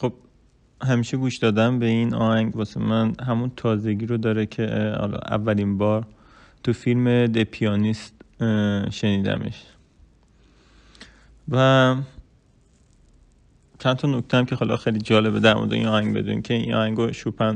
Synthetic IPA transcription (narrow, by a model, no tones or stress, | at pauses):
xob̥̚ | ɦæmiːʃeɡuːʃd̪ɒːd̪æmbe̞inɒ̰ːhæŋɟbɒːsemænhɦæmunt̪ʰɒːzeɡiːɾod̪ɒːɾekʰehɒ̰lɒ̰ʔæ̰vːælinbɒːɾ | t̪ʰufilmed̪epʰijɒːnist̪ | ʃe̞niːd̪æ̰mḛʃ | væ | t͡ʃʰænt̪ʰɒnockʰt̪ʰeæmkʲʰe̞ɦɒːlɒ̰xejlid͡ʒɒːle̞bed̪æɾmo̰d̪eʔḭnɒːhæŋɟbe̞̰d̪ṵnḭcʰeinɒ̰ːhæŋɡoʃupʰæn